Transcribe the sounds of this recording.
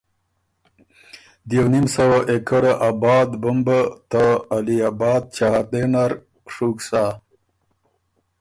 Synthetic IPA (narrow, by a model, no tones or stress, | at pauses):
d̪jawnimsawaʔekaɾaʔabɑːd̪bumbat̪aːliabɑːd̪̚t͡ʃaɦaɾd̪enaɾ | ʂuksa